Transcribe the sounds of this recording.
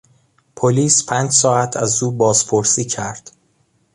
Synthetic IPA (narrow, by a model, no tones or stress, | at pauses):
pʰoliːspʰæːnd͡ʒsɒːæt̪ʰæzuːbɒːz̥pʰoɾsiːcʰæɾd̪̥